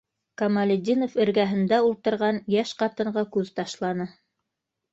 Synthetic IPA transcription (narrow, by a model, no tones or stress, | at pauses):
kɐmalʲɪd̪ʲinofɘ̆ɾɡæɦɘ̆nd̪æulˠt̪ɤ̆ɾʁɑnjæʃqɑt̪ɤ̆ɴɢɑkʉðt̪ɑʃlˠɑnɤ